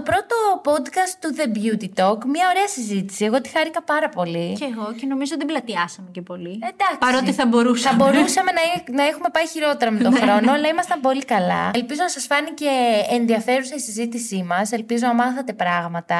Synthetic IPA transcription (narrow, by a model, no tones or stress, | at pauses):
t̪opɾo̞t̪o̞po̞d̪kɐst̪ːuðe̞bʝut̪it̪o̞kmɲɐo̞ɾe̞ɐsizit̪i̥sie̞ɣo̞t̪i̥xɐɾikɐpɐɾɐpo̞liceɣoceno̞mizoot̪iblɐt̪iɐsɐmecepo̞liend̪ɐkɾot̪iθɐbo̞ɾusɐbo̞ɾusɐme̞nɐinɐexume̞pɐiçiɾo̞t̪e̞ɾɐmet̪oxɾɾo̞nnoɐlɐimɐst̪ɐmpo̞likɐlɐ̰elpizo̞nɐsɐsfɐnice̞ːnðiɐfe̞ɾusɐisizit̪isimɐse̞lpizonɐmɐθɐt̪e̞pɾɐɣmɐt̪ɐ